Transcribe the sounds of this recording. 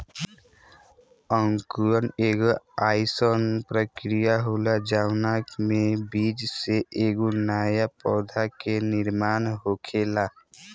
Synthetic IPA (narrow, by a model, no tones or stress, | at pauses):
ə̃ŋkuɾəneːɡoaːɪsoːnpɾəkɾijaɦolad͡ʒaːwnaːkmẽbiːd͡ʒseʔeːɡunaːjapɔːd̪ʱakenɪɾmaːnɦoːkʰeːla